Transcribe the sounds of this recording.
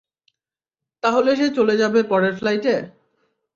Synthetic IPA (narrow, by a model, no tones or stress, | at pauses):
t̪aɦoleʃ̬et͡ɕoled͡ʑabepɔɽeɾflajʈe